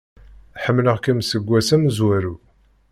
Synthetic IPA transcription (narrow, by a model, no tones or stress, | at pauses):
ħəmːləʁkæmsəɡʷːæsæmzwæɾu